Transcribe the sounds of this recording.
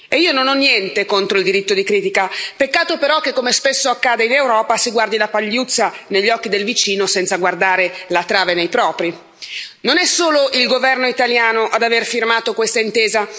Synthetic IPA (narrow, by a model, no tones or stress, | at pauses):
eiːononɔnːjɛnt̪ekont̪ɾoild̪iɾit̪ːod̪ikɾiːt̪ikapekːaːt̪opeɾɔk̟ːekːomespesːoakːaːd̪einewɾɔːpasiɡward̪ilapaʎːut̪sːaneʎːɔkːid̪elvit͡ʃiːnosɛnt̪saɡward̪aːɾelat̪ɾaːvenejpɾɔːpɾi | nonɛsːoːloʔilɡovɛrnoit̪aljaːnoʔad̪averfirmaːt̪okwest̪aint̪eːza